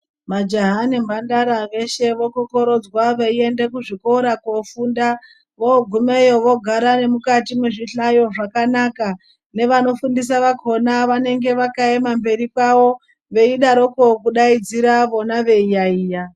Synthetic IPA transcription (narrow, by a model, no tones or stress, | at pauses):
mad͡ʒaɦanimbandaɾaʋe̞ʃe̞ʋo̞koko̞ɾo̞d͡zwaʋeie̞nde̞kuʐiko̞ɾakofuːnda | ʋoɡʱumejo̞ʋo̞ɡʱaɾane̞mukatimweʐiɬajo̞ʐakanaka | ne̞ʋano̞fundis̬aʋakʰo̞naʋane̞ŋɡe̞ʋakaemambe̞ɾikwaʋo | ʋe̞iɗaɾoko̞kuɗaid͡ziɾaʋo̞naʋe̞ijaiːja